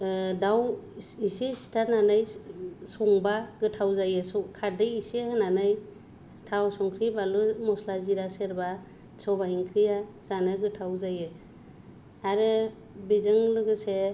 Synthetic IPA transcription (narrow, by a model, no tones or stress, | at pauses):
dawisistʰananɯjsɔŋbaɡɯtʰawzajɯsɔkʰaɾdɯjisihananɯj | stʰawsɔŋkʰɾibalumɔslaziɾaseɾba | sɔbaiŋkʰɾija | z̥anɯɡɯtʰawzajɯ | aɾɯ | bizɯŋlɯɡɯse